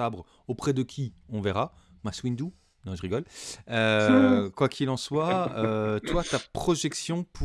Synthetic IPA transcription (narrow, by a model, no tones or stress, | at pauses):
abʁ | opχɛd̪əkʲʰiɔ̃vɛʁa | maswind̪u | nɔ̃ʒəʁiɡɔløkwakʲʰilɑ̃swaøt̪wat̪apχɔʒɛksjɔ̃pʰu